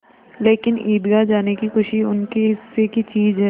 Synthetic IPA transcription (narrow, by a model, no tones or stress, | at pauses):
leːkɪnʔiːd̪ɡad͡ʒaːnekixʊʃiʊnkeɦɪsːekit͡ʃiːd͡ʒɦɛ